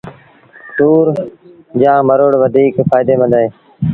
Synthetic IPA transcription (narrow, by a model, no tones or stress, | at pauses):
t̪uːɾ | d͡ʒãːməɾoːɽʋəd̪ʱiːkfaːɪd̪eːmə̃nd̪aɦeː